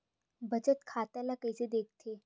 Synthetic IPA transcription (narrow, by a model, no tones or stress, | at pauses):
bət͡ɕət̪kʰat̪alakəjsed̪ek̚ʰt̪ʰe